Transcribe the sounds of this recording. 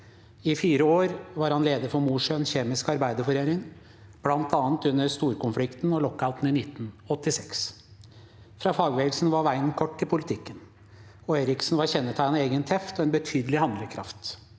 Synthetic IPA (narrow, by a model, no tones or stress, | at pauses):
ɪfiːɾəoːɾʋɑɾhɑnleːd̪əɾfɔɾmuːʂœnçeːmɪskɑɾbæɪd̪əɾfɔɾeːɾɪŋ | b̥lɑnt̪ʰɑːnt̪ʉnːəɾst̪uːɾkʊnflɪkt̪nɔlɔkːaʊt̪n̩ɪnɪt̪ːn̩ɔt̪ːɪsɛks | fɾɑːfɑːɡʋeːɡəlsn̩ʋɑɾʋæɪənkʰɔʈːɪlpʰʊlɪt̪ʰɪkːən | ɔeːɾɪksn̩ʋɑɾçɛnːət̪ʰæɪneːɡənt̪ʰɛft̪ɔɛnbət̪ʰyːd̪əlɪhɑnd̪ləkʰɾɑ̰ft̪